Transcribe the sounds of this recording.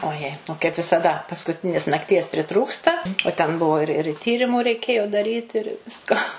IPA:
oːˈjɛɪ oː kɐɪp ʋʲɪsɐˈdɐ pɐskʊˈtʲɪnʲeːs nɐkˈtʲiɛs pʲrʲɪˈtruːkstɐ oː tʲɛn ˈbʊʋoː ɪr ɪr ˈtʲiːrʲɪmʊ rʲɛɪˈkʲeːjoː dɐˈrʲiːt ɪr ˈʋʲɪskoː

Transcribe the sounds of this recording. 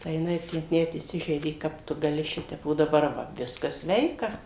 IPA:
tɐɪ jɪˈnɐɪ ˈtʲæː nʲɛt iːˈsʲɪʒʲɛɪdʲeː ˈkɐp tʊ ɡɐˈlʲɪ ˈʃʲɪtʲɛp oː dɐˈbɐr ˈʋɐ ˈʋʲɪskɐs ˈsʲʋʲɛɪkɐ

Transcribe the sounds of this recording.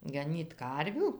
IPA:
ɡɐˈnʲiːt ˈkɐrʲʋʲuː

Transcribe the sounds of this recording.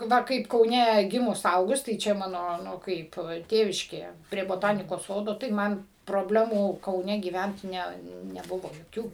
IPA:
ˈʋɐ ˈkɐɪp kɐʊˈnʲɛ ˈɡʲɪmʊs ˈɐʊɡʊs tɐɪ ˈt͡ʃʲɛ ˈmɑːnoː ˈnʊ ˈkɐɪp ˈtʲeːʋʲɪʃʲkʲeːjɛ pʲrʲiɛ boːˈtɑːnʲɪkoːs ˈsoːdoː tɐɪ ˈmɐn proːbʲˈlʲæːmuː kɐʊˈnʲɛ ɡʲiːˈʋʲɛnt ˈnʲɛ nʲɛˈbʊʋoː joːˈkʲuː

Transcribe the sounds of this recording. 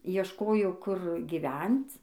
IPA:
iɛʃˈkoːjoː kʊr ɡʲɪˈʋʲɛnt͡s

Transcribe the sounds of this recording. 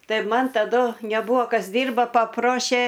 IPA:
ˈtɐɪ ˈmɐn tɐˈdʊ nʲɛˈbuːɐ ˈkɐs ˈdʲiːrbɐ pɐˈproːʃʲeː

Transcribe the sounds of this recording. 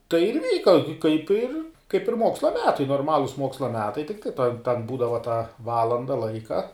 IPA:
tɐɪ ɪr ˈʋʲiːkɐ kɐɪp ɪr kɐɪp ɪr ˈmoːkslˠɐ ˈmʲæːtɐɪ noːrˈmɑːlˠʊs ˈmoːkslˠɐ ˈmʲæːtɐɪ tʲɪkˈtɐɪ tɐn ˈbuːdɐʋɐ tɑː ˈʋɑːlˠɐndɐ ˈlˠɐɪkɐ

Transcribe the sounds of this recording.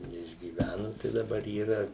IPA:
nʲɛɪʒʲɡʲiːˈʋʲænʊ tɐɪ dɐˈbɐr iːˈrɐ

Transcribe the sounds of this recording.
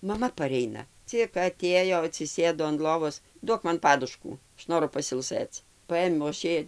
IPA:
mɐˈmɐ pɐˈrʲɛɪnɐ ˈt͡sʲɪk ɐˈtʲeːjoː ɐtʲsʲɪˈsʲeːdoː ɐn ˈlˠoːʋoːs ˈduɔk ˈmɐn ˈpɑːdʊʃkuː ˈɐʃ ˈnoːrʊ pɐsʲɪlˠˈsɘt͡s ˈpɐeːmʲɛʊ ɐʃ ˈjɛɪ

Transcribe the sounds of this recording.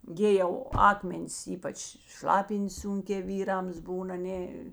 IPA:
ˈɡʲɪ jɛʊ ˈɑːkmʲɛnʲɪs ˈiːpɐt͡ʃ ˈʃlˠɑːpʲɪnʲtʲs ˈsʊŋʲkʲɛː ˈʋʲiːrɐms ˈbuːn ɐˈnʲeː

